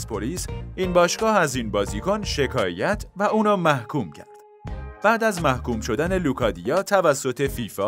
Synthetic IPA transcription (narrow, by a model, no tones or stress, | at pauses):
pʰoliːsiːnbɒːʃɡɒːhæziːnbɒːzikʰonʃe̞kʰɒːjæt̪ʰvæʔuːnɒːmæhkʰuːmcʰæɾd̪̥ | b̥æːd̪æzmæhkuːmʃo̞d̪æne̞lukʰɒːd̪ijɒːt̪ʰævæsːot̪ʰe̞fiːfɒː